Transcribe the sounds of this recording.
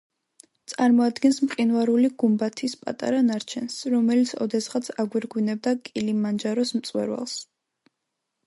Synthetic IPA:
t̪sʼaɾmɔad̪ɡɛnsmqʼinvaɾuliɡ̥umbat̪ʰispʼa̰t̪ʼa̰ɾanaɾt͡ʃʰɛnsɾɔmɛlit̪sʰɔ̰d̪ɛsʁat̪sʰaɡwiɾɡwinɛb̚d̪akʼilimːand͡ʒaɾɔsmt̪sʼwɛ̰ɾwa̰lˠs

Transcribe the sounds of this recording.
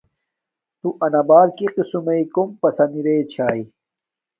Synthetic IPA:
t̪uʔɐnɐbaːɾkiqisumeikompɐsɐniɾeːt͡ɕʰaːi

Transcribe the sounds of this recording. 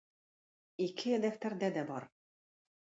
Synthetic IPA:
ikʰɘd̪ɛft̪æɾd̪æd̪ɛbɑɾ

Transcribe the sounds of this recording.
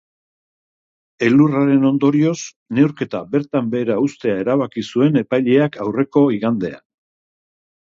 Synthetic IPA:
e̞luraɾe̞no̞nd̪o̞ɾio̞s | ne̞wɾke̞t̪abe̞ɾt̪ambe̞ːɾaust̪e̞ae̞ɾaβakisue̞ne̞pajʎe̞akʰawre̞ko̞iɣand̪e̞̰a̰

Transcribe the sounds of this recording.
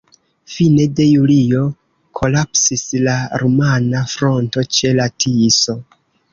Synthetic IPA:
fine̞de̞julio̞ | kʰo̞lapsislaɾumanafɾo̞nto̞t͡ʃe̞latʰiso̞

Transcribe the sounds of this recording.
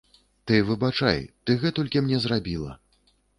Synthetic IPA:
t̪ɨvɨbat͡ʂa̰jt̪ɨɣɛt̪ɔlʲkʲimnʲɛzrabʲilˠɐ̰

